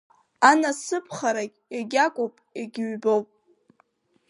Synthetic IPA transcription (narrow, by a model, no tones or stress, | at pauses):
anasɨpʰχaɾakʲʼjaɡʲakʷʼopʼaɡʲɪɥbowpʼ